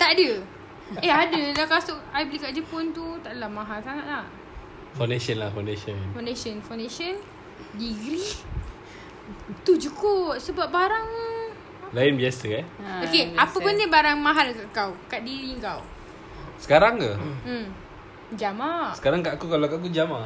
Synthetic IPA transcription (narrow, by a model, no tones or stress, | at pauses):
t̪aʔdə | ɛadəlakasʊʔajbəlikaʔd͡ʒəpɔnt̪ut̪aʔdəlamaɦalsaŋat̪̚lah | fawndesənlafandeʃənfawndeʃənfawndeʃən | diɡɾi | t̪ud͡ʒukoʔsəbap̚baɾaŋ | laɪnbiasəkanokeapəpundibaɾaŋmaɦalkaʔkawkaʔdiɾiəŋkaw | sə̥kaɾaŋkəm | d͡ʒamaʔsə̥kaɾaŋkaʔkukalakak̬ud͡ʒama